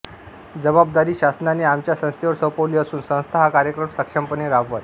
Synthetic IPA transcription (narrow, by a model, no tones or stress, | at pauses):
d͡zəbab̚d̪aɾiːɕasnaneamt͡ɕjasə̃st̪ʰjeʋəɾsəwpəʋliːəsuːnsə̃w̃st̪ʰaɦakaɾjəkɾəmsəkʂəmpəneɾaʋːət̪